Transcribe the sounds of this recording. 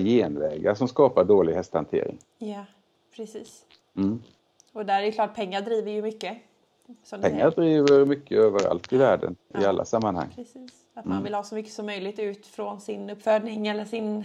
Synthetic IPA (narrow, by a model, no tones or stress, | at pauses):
jeːnvɛ̰ːɡaʂɔmskɑːpaɖoːlɪɡhɛst̪hant̪ʰḛːɾɪ̰ŋ | ja | pʰɾɛsiːs | m̩ː | ɔd̪æɾæɛjʏklɑːʈ̪̚pʰɛŋːaɖɾiːvəjɵmʏkːə | sɔmd̪pɛŋːadɾiːvəɾmʏkʰːəøːvəɾa̰lt̪ɪvæːɖə̰nɪ̰alːʔa̰samːanha̰ŋːɾɛsiːs | at̪manvɪlhɑːsɔmʏkːə̥sɔmːœjlɪɡ̚t̪ʉ̟ːt̪fɾɔnsɪnɵpːfœːɖɳɪŋɛlːəʂɪn